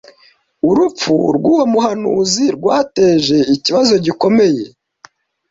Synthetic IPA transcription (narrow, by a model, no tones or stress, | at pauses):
uɾup͡fṵɾɡuːwomuɦanṵːziɾɡwaːte̞ːʒe̞iciβazo̞ɟiko̞me̞je̞